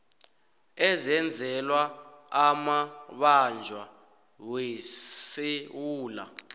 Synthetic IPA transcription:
ɛzɛnd͡zʱɛlwaamaɓand͡ʒʱwa | wesewuːla̰

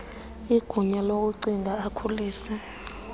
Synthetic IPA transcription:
iɡ̥ʱuɲɛlok̬uǀiŋʱaːkʰuliːsɛ

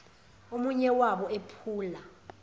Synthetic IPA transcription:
omuɲɛwaɓɔepʰuːla

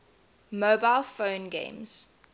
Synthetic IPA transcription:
mobaɪlˠfõʊ̃nɡḛ̃ɪ̃mz̥

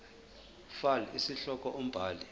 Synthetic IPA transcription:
falisiɬɔk̬ʼɔʔom̩b̥ʱaːli

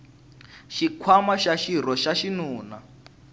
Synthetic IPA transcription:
ʃikʰwamaʃaʃiɾɔʃaʃinuːna

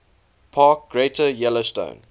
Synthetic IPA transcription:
pʰɑːˑk̚ɡ̥ɹeɪtəjɛlostõ̰ʊ̃n

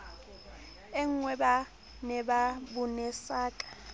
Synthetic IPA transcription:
ɪŋ̩ŋwɛba | nɛbabʊnɛsaːkʼḁ

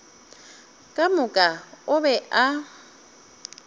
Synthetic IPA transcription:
kʼamʊkʼaʊβɛʔa

